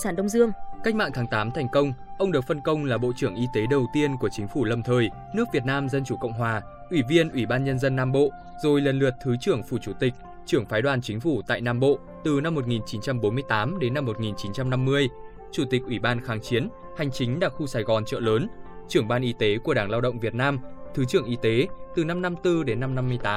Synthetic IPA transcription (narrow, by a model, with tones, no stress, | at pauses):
saː˧˩nɗə˧wŋ͡mzɨ˧əŋka˦˥k̟̚ma̰ː˧˨t̪ʰːŋt̪aː˨˦mt̪ʰɛ˨˩jŋ̟kə˧wŋ͡mʔə˧wŋ͡mɗɨ˨˩ək̚fə˧nkə˧wŋ͡mlaː˨˩ɓo̰˧˨t͡ɕɨ˧˩əŋʔi˧t̪e˨˦ɗə˨˩wt̪i˧ənku˧˩ət͡ɕï˨˦ŋ̟fu˧˩lə˨˩mt̪ʰəː˨˩j | nɨ˦˥ək̚vi˨˩ət̚naː˧mzə˧nt͡ɕu˧˩kə̰˧˨wŋ͡mɦwaː˨˩ | ʔwi˧˩vi˧ənʔwi˧˩ɓaː˧nɲə˧nzə˧nːaː˧mɓo̰˧˨ | zo˨˩jlə˨˩nlɨ˨˩ət̚t̪ʰɨ˨˦t͡ɕɨ˧˩əŋfu˧˩t͡ɕu˧˩t̪ï˨˩k̟̚ | t͡ɕɨ˧˩əŋfaː˨˦jɗwaː˨˩nt͡ɕï˨˦ŋ̟fu˧˩t̪a̰ː˧˨jnaː˧mɓo̰˧˨ | t̪ɨ˨˩na˧mːo˨˩t̚ŋi˨˩nt͡ɕi˨˦nt͡ɕa˧mɓo˨˦nmɨ˧əjt̪aː˨˦mɗe˨˦nːa˧mːo˨˩t̚ŋi˨˩nt͡ɕi˨˦nt͡ɕa˧mna˧mːɨ˧əj | t͡ɕu˧˩t̪i˨˩k̚ʔwi˧˩ɓaː˧nxaː˨˦ŋt͡ɕi˨˦ən | ha˨˩jŋ̟t͡ɕï˨˦ŋ̟ɗaː˧˩k̚xu˧saː˨˩jɣɔ˨˩nt͡ɕə̰ː˧˨ləː˨˦nt͡ɕɨ˧˩əŋɓaː˧nʔi˨˧˦t̪e˨˦ku˧˩əɗaː˧˩ŋlaː˧wɗə̰˧˨wŋ͡mvi˨˩ət̚naː˧mt̪ʰɨ˨˦t͡ɕɨ˧˩əŋʔi˨˦t̪e˨˦t̪ɨ˨˩na˧mna˧mt̪ɨ˧ɗe˨˦nːa˧mna˧mːɨ˧əjt̪aː˨˦m